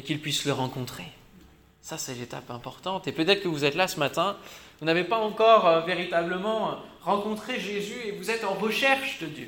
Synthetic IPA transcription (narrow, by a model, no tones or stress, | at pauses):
ekʲilpɥisləʁɑ̃kɔ̃t̪χe | sasɛlet̪a̰pɛ̃pɔʁt̪ɑ̃t̪epøt̪ɛt̪χə̥kəvuzɛt̪lasəmat̪ɛ̃vunavepaɑ̃kɔʁøveʁit̪abləmɑ̃ʁɑ̃kɔ̃t̪χeʒezyevuzɛt̪ɑ̃ʁəʃɛʁʃd̪əd̪jø